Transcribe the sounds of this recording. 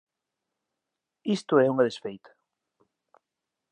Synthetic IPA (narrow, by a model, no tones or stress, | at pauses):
ist̪ʊɛuŋaðesfejt̪ʰḁ